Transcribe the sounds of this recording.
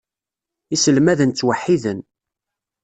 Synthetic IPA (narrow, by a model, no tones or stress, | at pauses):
isəlmæðənt͡sːwəħːiðən